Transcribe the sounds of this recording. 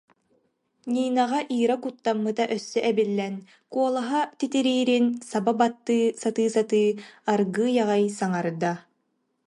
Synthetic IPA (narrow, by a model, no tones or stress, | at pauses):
ɲʲiːnaʁaʔiːɾakut̪ːamːɯt̪aʔœsːɛʔɛbilːɛn | kuɔlˠaɦat̪it̪iɾiːɾinsababat̪ːɯːsat̪ɯːsat̪ɯːaɾɡɯːjaʁajsaŋaɾd̪a